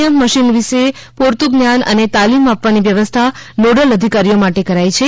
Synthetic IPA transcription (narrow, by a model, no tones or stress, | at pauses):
jəmːəʃinʋiʃe | poɾt̪uɡnjanə̰net̪alimapʋaniʋjəʋəst̪ʰanoɽələd̪ʱikaɾijomaʈekəɾajt͡ʃʰe